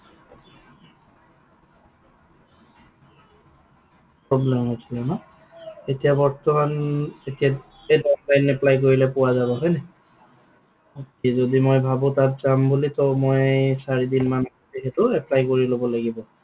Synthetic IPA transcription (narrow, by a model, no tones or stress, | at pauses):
pɹɔblɛmhojsʰilɛma | etijabɔɹtɔmanetija | ejdɔtlajnɛplajk̬oɹilɛpʊwazaβɔɦɔjnɛ | tizodimojbʱabʊ̃tat̚zambulitɔmojsaɹidinmanɔ | texɛtʊɛplajkoɹilobɔlaɡibɔ